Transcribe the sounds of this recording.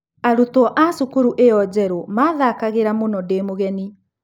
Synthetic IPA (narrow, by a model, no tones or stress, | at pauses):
aɾutwɔʔasukuɾuʔeɔd͡ʑɛɾomaːðakaɣeɾamonɔdeːmoɣɛni